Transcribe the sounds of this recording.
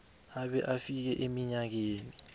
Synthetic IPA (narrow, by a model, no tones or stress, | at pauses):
aɓɛʔafik̬ɛʔemiɲak̬eːni